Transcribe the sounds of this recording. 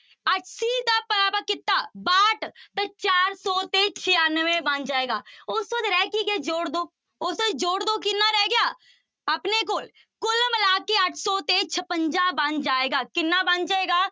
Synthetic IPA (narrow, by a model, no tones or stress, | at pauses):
əʈsid̪apəapəkɪt̪ːaːbaːʈt̪ɐt͡ʃaːɾsɔːt̪et͡ʃʰɪjaːnʋẽbɐ̃nd͡ʒaːeːɡaːʊsod̪ɾɛːkiɡɛd͡ʒoːɽd̪oː | osəd͡ʒoːɽd̪okɪnːaɾɛɡjaː | ɐpnekoːl | kʊlməlaːkeəʈʰsɔːt̪et͡ʃʰəpə̃ɲd͡ʒabə̃nd͡ʒaːeːɡaːkɪnːabɐnd͡ʒaːeːɡaː